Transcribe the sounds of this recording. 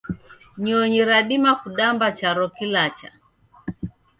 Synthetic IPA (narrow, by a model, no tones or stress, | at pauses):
ɲɔɲiɾaɗimakuɗambat͡ʃaɾɔkilat͡ʃa̰